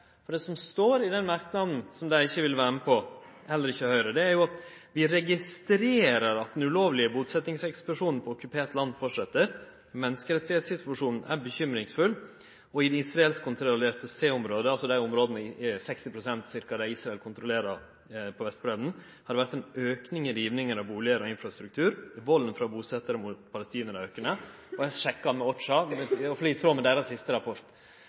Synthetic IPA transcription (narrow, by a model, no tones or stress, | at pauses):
fɔɖɛsɔmst̪oːɾɪd̪ɛnmɑɾknɑd̪n̩sɔmd̪æɪɪçːəʋɪlʋæːɾməpʰɔ | hɛlːəɾɪçːəhœʏɾəd̪ɛæɾjʊɑt̪ | ʋɪɾɛɡɪst̪ɾeːɾəɾɑt̪̚d̪ɛnʉloːʋlɪəbuːt̪sɛt̪nɪŋsɛksplʊʂuːnn̩pʰɔɔkːʉpʰeːʈ̪lɑnːfɔʂɛt̪ːəɾ | mɛnːəskəɾɛt̪sɪheːt̪sɪt̪ʰʉɑʂuːnn̩ʔæ̰ɾbəçʏmɾɪŋsfʉl | ɔɪd̪ɛisɾɑɛlskʊnt̪ʰɾleːʈ̪əseːʊmɾoːd̪əɑlsɔd̪æɪʊmɾoːd̪nəɪsɛkst̪ɪpʰɾʊsɛnt̪sɪɾkɑd̪æiːsɾɑɛlkʰʊnt̪ɾʊleːɾɑ | pʰɔʋɛst̪bɾeːd̪n̩ | hɑd̪ɛʋæɾt̪ɛɪnøːknɪŋɪɾiːʋnɪŋəɾɑʋbuːlɪəɾɔɪnfɾɑst̪ɾʉk̚t̪ʰʉːɾʋɔlːnfɾɑbuːsɛt̪ːəɾəmʊt̪pʰɑləst̪iːnəɾɔøkəɳə | ɔæʂɛkːɑmɛɔʈ̪ʂɑɛɔfɔɖ̪iːt̪ʰɾoːmɛd̪æːɾɑssɪst̪əɾɑpʰɔɾt̪